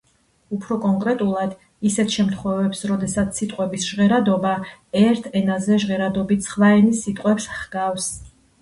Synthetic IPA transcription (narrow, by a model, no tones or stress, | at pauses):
upʰɾɔkʼɔŋkʼɾɛt̪ʼulˠad̪ | isɛt̪ʰʃɛmt̪ʰχwɛvɛpsɾɔd̪ɛsat̪sʰːit̪ʼqʼwɛbisʒ̥ʁɛɾad̪ɔbaɛɾt̪ʰɛnazɛʒʁɛɾad̪ɔbit̪ʰsʰχvaɛnisit̪ʼqʼwɛpsχɡ̥afs